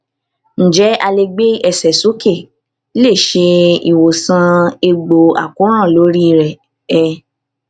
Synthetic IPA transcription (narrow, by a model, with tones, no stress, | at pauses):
n̩˨d͡ʒɛ˨˦a˧le˧ɡ͡be˦ɛ˦˨sɛ˨su˨˦ke˦˨˦ | le˦˨ʃe˧i˨wo˨sã˧e˧ɡ͡bo˨a̰˨kũ˨˦ɾ̃ã˦˨lo˨˦ɾi˦i˧˨ɾɛ˨ | ɛ˧